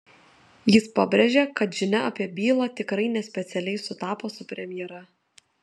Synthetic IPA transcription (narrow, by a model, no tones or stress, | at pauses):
jɪspɐbʲɾʲeʒʲekɐt̪ʒʲɪnʲɛɐpʲiɛbʲiːlˠɑːt̪ʲɪkɾɐɪnʲɛsʲpʲɛt̪sʲɛlʲɛɪsʊt̪ɑːpoːsʊpʲɾʲɛmʲɪjɛɾɐ